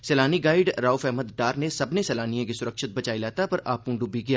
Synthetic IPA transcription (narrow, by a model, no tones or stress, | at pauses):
sɛːlaːniɡaːɪɖɾaːufɛɦməd̪ɖaːɾnesɐbnesɛːlaːnijãk̬isʊɾəkʃɪt̪̚bɐt͡ʃaːilaːt̪apɐɾʔaːpũːɖʊbiɡɐjaː